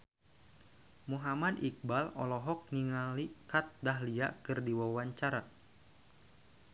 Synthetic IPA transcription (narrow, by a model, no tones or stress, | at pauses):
muɦamadik̚balɔlɔɦɔk̚niŋalikat̪̚daɦlia̰kɨrdiwawaɲt͡ʃaɾa